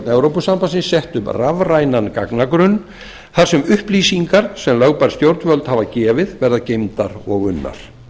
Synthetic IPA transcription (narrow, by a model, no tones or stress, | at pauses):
t̪nɛwɾowpʏsampasɪnsɛht̪ʏmravrajnankaknakɾʏn | θaɾ̥sɛmʏhpliːsiŋkaɾ̥sɛmlœɣpaɾ̥st̪jowɾt̪vœlt̪havacɛːvɪðvɛɾðacejmt̪aɾɔɣʏnːa̰ɾ̥